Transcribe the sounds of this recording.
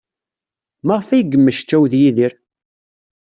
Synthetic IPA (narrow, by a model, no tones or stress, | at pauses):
maʁfæjəɡəmːəʃt͡ʃːæwðjiðiɾ